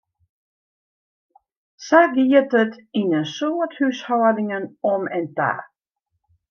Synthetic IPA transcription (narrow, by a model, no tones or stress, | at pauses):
saɡiətət̪inənsoːthʉshɔːdɪŋənɔmɛnta̰ː